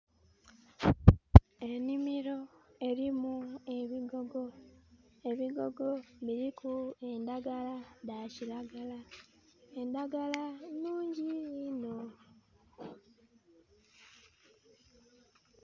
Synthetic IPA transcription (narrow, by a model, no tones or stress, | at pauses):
e̞nimiɾo̞e̞ɾimue̞βiɡoɡo | eβiɡo̞ɡo̞βiɾikue̞ndaɡaladacilaɡala | endaɡalanuːɲɟiino